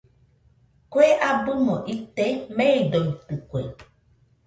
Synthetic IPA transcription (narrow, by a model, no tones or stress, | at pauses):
koeʔabumɔ̃ʔit̪ɛmɛ̃eɖɔit̪ɨkwɛ̰